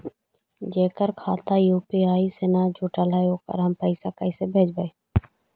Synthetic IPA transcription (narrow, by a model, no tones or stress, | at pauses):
d͡ʒeːkəɾkʰaːt̪ajuːpiaːiseːnad͡ʒoːʈalaeoːkə̰ɾɦɐmpəɪsakəɪsebʱeːt͡ʃbəeː